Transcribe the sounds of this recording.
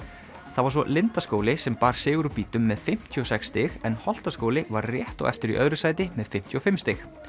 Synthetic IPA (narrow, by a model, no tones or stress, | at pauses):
θavaɾ̥s̬vɔlɪnt̪askoːwlɪsɛmpaːɾ̥sɪːɣʏɾupiːt̪ʏmːɛðfɪm̥t̪ʰyɔsɛkst̪ɪxɛnhɔl̥t̪askoːwlɪvaɾrjɛht̪ɔ̰ɣɛ̰ft̪ɪɾḭʔœðɾʏsaːjt̪ɪmɛðfɪm̥t̪ʰjyɔfɪmst̪ɪx